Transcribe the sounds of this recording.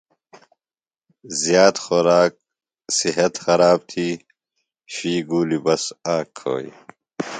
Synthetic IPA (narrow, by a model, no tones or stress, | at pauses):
zjaːt̪xoɾaːk̚ | siɦɐt̪xɐɾaːb̚t̪ʰiː | ɕiːɡuːlibɐsaːkʰːo̰ːḭ